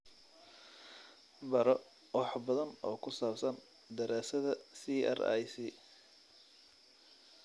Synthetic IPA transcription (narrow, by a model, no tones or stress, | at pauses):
bɐɾɔ | wɑħbɐðɐnɔːkʰʊsaːbsɐn | d̪ɐɾaːsɐðɐsiɛ̰ra̰jsi